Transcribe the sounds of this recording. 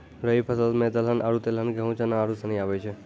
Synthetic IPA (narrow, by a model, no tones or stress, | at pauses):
ɾəɦipʰəsəlmed̪əlɦənʔaɾut̪elənɡəɦũt͡ʃənãːɾusənĩaʋet͡ʃʰe